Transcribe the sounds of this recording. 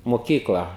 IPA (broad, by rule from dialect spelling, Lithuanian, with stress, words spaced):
moːˈkʲiːklˠɐ